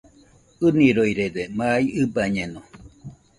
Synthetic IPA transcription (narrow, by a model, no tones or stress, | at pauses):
ɯniɾojɾedemaiɨbaɲeno